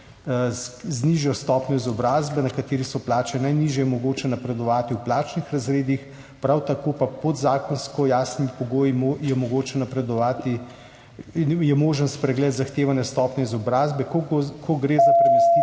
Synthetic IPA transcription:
zniʒjɔst̪ɔːpnɲɔizɔbɾaːzbɛnɐkat̪eːɾisɔplaːt͡ʃɛnajniʒjɛjɛmɔɡoːt͡ʃɛnapɾɛd̪ɔʋaːt̪iuplaːt͡ʃnixɾazɾeːd̪ix | pɾawt̪akoːpapɔd̪zaːkɔnskɔjaːsnimipɔɡoːjimjɛmɔɡoːt͡ʃɛnapɾɛd̪ɔʋaːt̪i | jɛmoːʒənspɾɛɡlɛːt̪zaxt̪eːʋanjɛst̪ɔːpnɔizɔbɾaːzbɛkoɡkʰɔɡɾeːzapɾɛmɛsi

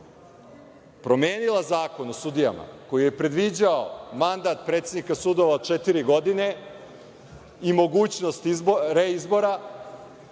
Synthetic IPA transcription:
pɾo̞me̞ːnilˠazaːko̞nosud̪ija̰ma̰ko̞jije̞pɾe̞d̪ʋid͡ʑaomand̪at̪pɾe̞t̪se̞d̪nikasud̪o̞ʋaod̪̚t͡ʃet̪iɾiɡo̞d̪ine̞ | imo̞ɡuːt͡ɕno̞st̪iɾeizbo̞ɾa

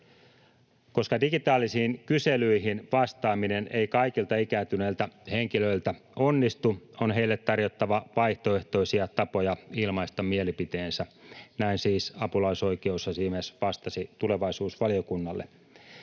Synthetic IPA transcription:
ko̞skɑdiɡit̪ɑːlːisiːŋkyselyiɦinʋɑst̪ɑːminene̞ikɑikilt̪ɑikæːt̪yneːlt̪æheŋkiløilt̪æ | o̞nːist̪uonɦe̞ilːet̪tɑrjot̪ːɑʋɑʋɑiht̪oeht̪o̞isiɑt̪ɑpo̞jɑilmɑist̪ɑmielipit̪eːnsænæinsiːsɑpulɑiso̞ikeushɑsiːmesʋɑst̪ɑsit̪ule̞ʋɑisuːsʋɑlio̞kunːɑlːḛ

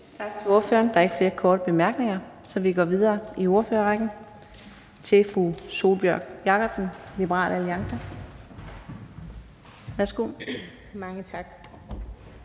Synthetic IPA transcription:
t͡sʰɑ̈ɡ̥t͡sʰe̝lo̝ɐføːɐnd̥ɑ̈æɐe̝ɡ̥əfle̝ːɐkʰɒːɾ̥əb̥e̝mæɐɡ̥ne̝ŋɐ | sɒ̽ʋiɡ̥ɒ̰ːʋið̞ˠɐːio̝ɐføːɐʁaɡ̥n̩ | t͡sʰe̝fʁuso̝ːlb̥jœɐɡ̥jɑ̈kʰɒ̽b̥sn̩lib̥əʁɑ̰̈ːl̰ʔæliɑ̈ŋsə | ʋæɐsɡ̥o̝̰ː | mɑ̈ŋət͡sʰɑ̈ɡ̥

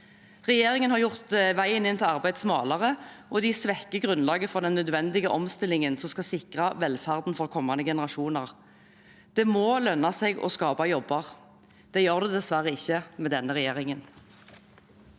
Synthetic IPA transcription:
ʁɛjeːʁɪŋənhɑʁjʊʁt̪ʋæɪənɪnt̪ʰɪlɑʁbæɪd̪smɑːlɑʁəʔɔd̪ɪsʋɛkːəɡʁʉnlɑːɡəfɔʁd̪ɛnːœd̪ʋɛnd̪ɪɡəʔɔmst̪ɪlɪŋənsɔmskɑsɪkʁɑʋɛlfæʁd̪n̩fɔʁkʰɔmːɑnəɡɛnəʁɑʃuːnɑʁ | d̪̥ɛmɔlœnːɑseːɡɔ̰skɑːpɑjɔbːəʁ | d̪̥ɛjøːʁd̪ʉd̪ɛsʋæʁəɪçːəmɛːd̪ɛnːəʁɛjeːʁɪŋən

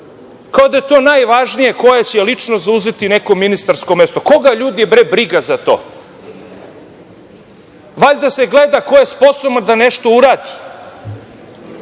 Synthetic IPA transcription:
kao̞d̪ajet̪o̞ːnajʋaʒnije̞ko̞jet͡ɕelit͡ʂnozauzet̪ine̞ko̞minist̪aɾsko̞me̞st̪o̞ko̞ɡaʎuːd̪iebɾebɾiɡazat̪o̞̰ː | ʋaʎd̪ase̞ɡled̪ako̞je̞spo̞soband̪ane̞ʃt̪o̞uɾaːd̪i̥

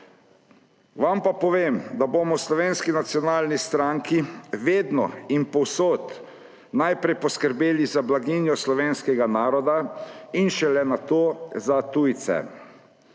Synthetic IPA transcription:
ʋampapɔʋeːmd̪abomɔslɔʋeːnskinat̪sjɔnaːlnist̪ɾaŋkiʋeːd̪nɔ̰impɔwsoːt̪ | najpɾɛjpɔskəɾbeːlizablaɡinjɔslɔʋeːnskɛɡanaːɾɔd̪ainʃɛlɛnat̪oːzat̪ujt̪sɛ̰

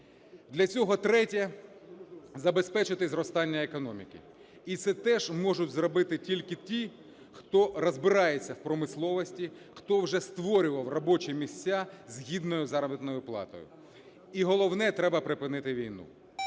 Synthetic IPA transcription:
d̪lʲɐt͡sʲɔɦɔt̪ɾɛtʲɐ | zɐbespɛt͡ʃɪt̪ɪzɾɔst̪ɑnʲːɐekɔnɔmʲḭkḭ | it̪sɛt̪ɛʒmɔʒʊtʲzɾɔbɪt̪ɪtʲilʲkɪtʲi | xt̪ɔɾɔzbɪɾɑjet͡sʲːɐwpɾɔmɪslˠɔʋɔsʲtʲi | xt̪ɔwʒɛst̪ʋɔɾʲʊʋɐwrɔbɔt͡ʃɪmʲisʲt͡sʲːazʲɦʲid̪nɔjʊzɑɾɐbɪt̪nɔjʊplˠɑ̰t̪ɔ̰jʊ̰ | iɦɔlˠɔwnɛt̪ɾɛbɐpɾɪpɪnɪt̪ɪʋʲijnṵ

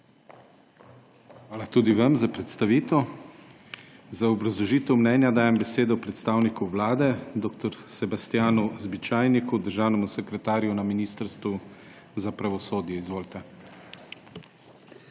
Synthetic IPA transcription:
xʋaːlat̪uːd̪iʋɐmzapɾɛt̪st̪aʋiːt̪ɔ | zaɔbɾazlɔʒiːt̪ɛwmnɛːnjad̪aːjɛmbɛseːd̪ɔpɾɛt̪st̪aːwnikuʋlaːd̪ɛd̪oːk̚t̪ɔɾsɛbast̪jaːnuzbit͡ʃaːjnikud̪əɾʒaːwnɛmusɛkɾɛt̪aːɾjunaminist̪əɾst̪ʋu | zapɾaʋɔsoːd̪jɛizʋoːlt̪ɛ

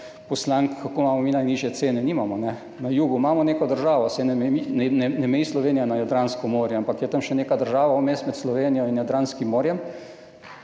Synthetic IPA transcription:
pɔslaŋkkːakoːmaːmɔminajniːʒjɛt̪seːnɛniːmamɔnɛ | najuːɡumaːmɔneːkɔd̪əɾʒaːʋɔsɛnɛminnɛnɛmɛjislɔʋeːnijanajad̪ɾanskɔmoːɾjɔampakjɛt̪əmʃɛneːkad̪əɾʒaːʋawmeːst̪mɛt̪slɔʋeːnijɔinjad̪ɾanskimːoːɾjɛm

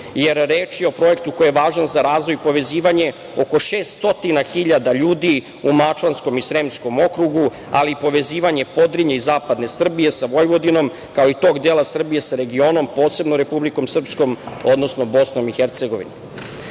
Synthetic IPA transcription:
jeɾːeːt͡ʃjeo̞pɾo̞je̞kt̪uko̞jeʋaːʒanzaɾaːzʋojpo̞ʋe̞ziːʋaɲe̞ | o̞ko̞ʃeːst̪o̞t̪inaxiʎad̪aʎuːd̪i | umat͡ʃlansko̞misɾemsko̞mo̞kɾuɡu | a̰liːpo̞ʋe̞ziːʋaɲe̞po̞d̪ɾiɲeizaːpad̪ne̞sr̩bije̞saʋo̞jʋo̞d̪ino̞m | kao̞it̪o̞ːɡd̪eːlasr̩bije̞saɾe̞ɡio̞ːno̞mpo̞ːt̪se̞bnoɾe̞publiko̞msr̩psko̞mo̞d̪no̞sno̞bo̞sno̞mixeɾt̪se̞ɡo̞ʋḭnu

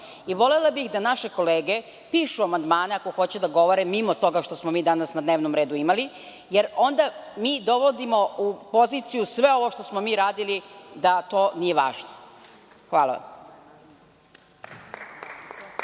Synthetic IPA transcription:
iʋo̞lelabixd̪anaʃe̞ko̞leːɡe | piːʃuamand̪maːneako̞xo̞t͡ɕed̪aɡo̞ʋoɾɛmːimot̪o̞ɡaʃt̪o̞smomiːd̪anasnad̪neːʋnomɾeːd̪uimali | jeɾo̞nd̪amiːd̪o̞ʋod̪imo̞upo̞zit̪sijusʋe̞o̞ʋoʃt̪o̞smomiːɾaːd̪ilid̪at̪oːnije̞ʋa̰ːʒno | xʋaːlˠa̰ʋa̰m

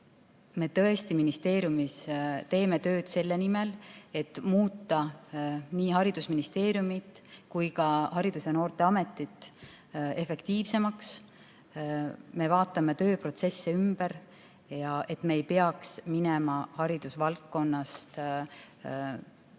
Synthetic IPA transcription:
me̞t̪ɤ̞e̞st̪iminist̪e̞ːɾjumist̪e̞ːme̞t̪ø̞ːd̪̥se̞lːe̞nime̞le̞t̪ːˑmuːt̪ːɑ | niːɦɑɾid̪̥usminist̪e̞ːɾjumit̪ˑkujkɑhɑɾid̪̥use̞no̞ːrt̪e̞ɑme̞t̪ːˑit̪ | e̞fe̞kt̪iːvse̞mɑks | me̞vɑːt̪ːˑɑme̞t̪ø̞ːpro̞t̪se̞sːeymb̥eɾ | jɑʔe̞t̪ːme̞ːjpeɑksminemɑhɑɾid̪̥usvɑlkːo̞nːɑst̪

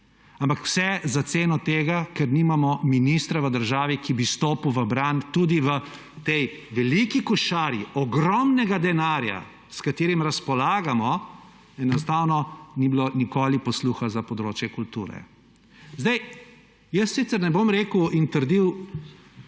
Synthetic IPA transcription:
ampakw̥sɛzat̪seːnɔt̪eːɡakɛɾniːmamɔminist̪ɾaʋəd̪əɾʒaːʋikibist̪oːpuwʋəbɾant̪uːd̪iʋə | t̪ɛj | ʋɛlikikɔʃaːɾjiɔɡɾɔmnɛɡad̪ɛnaːɾja̰ | skat̪eːɾimɾaspɔlaːɡamɔ | ɛnɔst̪aːwnɔnibilonikoːlipɔsluːxazapɔd̪ɾoːt͡ʃjɛkult̪ṵːɾɛ̰ | zd̪aj | jəssit̪səɾnɛbomɾeːkuint̪əɾd̪iw

